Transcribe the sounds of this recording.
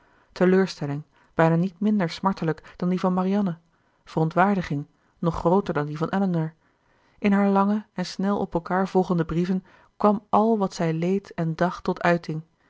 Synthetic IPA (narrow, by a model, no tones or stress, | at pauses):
təløːɹstɛlɪŋ | b̥ɛjnaːnitmɪndəɹsmɑɹtələkd̥ɑndivɑnmaɾiɑnə | v̥ərɔntʋaːɹdəχɪŋ | nɔχrowtəɹdɑndivɑnʔɛlənəɹ | ʔɪnɦaːɹlɑŋəɛnsnɛlˠʔɔpɛlˠkaːɹvɔlˠχəndəbrivən | kʋɑmɑlˠʋɑtsɛjlejtɛndɑχtːɔtʰœɥtɪŋ